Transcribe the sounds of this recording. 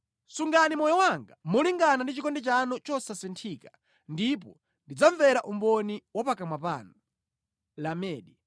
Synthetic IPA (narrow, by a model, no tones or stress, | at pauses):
suŋɡanimɔjɔwaŋɡamɔliŋɡanandit͡ʃikɔndɛt͡ʃanɔt͡ʃɔsasɛntʰiːka | ndip̬ɔ | ndid͡zaɱvɛɾaʔumbɔniwɔpakamwapa̰nɔ | lamɛːɗi